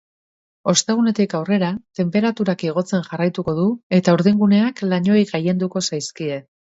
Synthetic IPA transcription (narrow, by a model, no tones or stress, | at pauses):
o̞st̪e̞ɣ̞une̞t̪ikawre̞ɾat̪e̞mpe̞ɾat̪uɾakeɣ̞o̞t͡se̞nʝarajt̪uko̞ðue̞t̪auɾðiŋɡune̞aklaɲo̞jɣaje̞nd̪uko̞sajskie̞